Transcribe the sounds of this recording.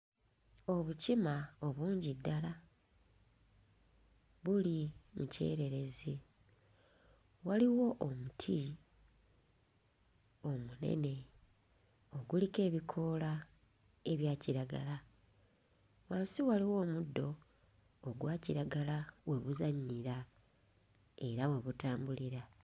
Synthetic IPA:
o̞βucimaoβuːɲɟidːala | βulimuce̞̰ːɾe̞ɾe̞zi | waliwo̞ʔomutʰi | o̞mune̞̰ne̞ | o̞ɡulike̞ːβikʰo̞ːla | e̞βjaːciɾaɡala | waːnsiwaliwo̞ːmudːo̞ː | ɡwaːciɾaɡalawe̞βuzaɲːiɾa | e̞ɾawe̞βutaːmbuliɾa

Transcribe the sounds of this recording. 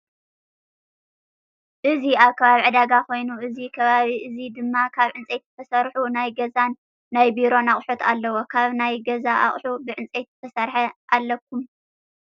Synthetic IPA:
ʔɨziaβkʰɐβaβiʕɨd̪aɡako̞jnuʔɨzikʰɐβaβiʔɨzid̪ɨmːakʰaβʕɨnt͡sʼejt̪̚ːt̪ʰɐsɐɾħunajɡɐzanː | ajbiɾo̞naχʼħut̪ʰalːɐwokʰaβnajɡɐzaʔa̰χʼħubɨʕɨnt͡sʼet̪ːɨt̪ʰɐsɐɾħɐʔalːɐk̚ʰːum

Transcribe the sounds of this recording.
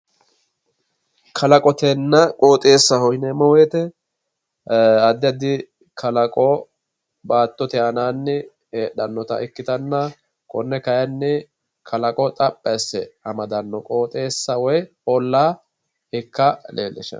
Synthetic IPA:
kʰɐlɐkʼɔt̪ɛnːɐkʼo̞ːt̪ʼe̞ːsːɐhɔhɪnɛmɔweːt̪ɛ | ɐd̪ɪɐd̪ɪ | kʰɐlɐkʼɔ | baːt̪ːɔt̪ɛɐnaːnːɛ | heːɗɐnːɔt̪ɐ̰ʔɛkːɪt̪ɐnːɐ | kʼɔnːɛkɐjɐnːɛ | kʰɐlɐkʼɔt̪ʼɐpʼːɐsɛɐmɐd̪ɐnːɔkʼo̞ːt̪ʼeːsːɐwɔj | ɔlːaː | ɪkːɐlḛːlːɪʃɐ̰

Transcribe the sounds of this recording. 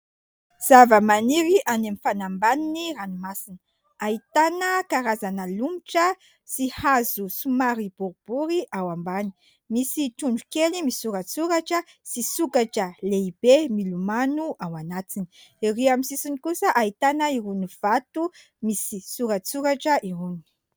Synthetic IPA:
z̥avəmaniɾiʔanemifanambaniniranimasinə̥ | ait̪anəkaɾazanalumiʈ͡ʂə | sihazusumaɾib̥uɾb̥uɾiʔawambani̥ | misiʈ͡ʂuɳɖ͡ʐukelimisuɾat͡suɾaʈ͡ʂə | sisukaʈ͡ʂəleib̥emilumanuʔawanat̪ini̥iriamisisinikusəʔait̪anaiɾuniv̥at̪u | misisuɾat͡suɾaʈ͡ʂəʔiɾuni̥i̥

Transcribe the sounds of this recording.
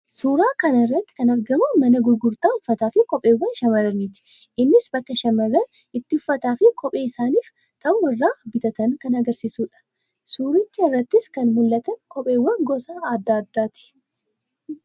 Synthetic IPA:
suːɾaːkɐnɐɪrːɐt̪ːɪ̥kɐnɐɾɡɐmʊmɐnɐɡʊɾɡʊɾt̪aːhʊfːɐt̪aːfɪkɔpʼeːwːɐnʃɐmɐɾɐniːt̪ɪ̥ | ʔɪnːɪsbɐkːɐʃɐmɐrːɐn | ɪt̪ːɪhʊfːɐt̪aːfɪkɔpʼe̞ːɪsaːniːf | t̪ɐʔʊwɐrːaːbɪt̪ɐt̪ɐŋkɐnɐɡɐɾsisuːᶑɐ̥ | suːɾɪt͡ʃːɐɪrːɐt̪ːɪskɐnmʊlːɐt̪ɐŋkɔpʼe̞ːwːɐnɡɔsaːaːd̪ːaːɐd̪ːaːt̪ɪ̥

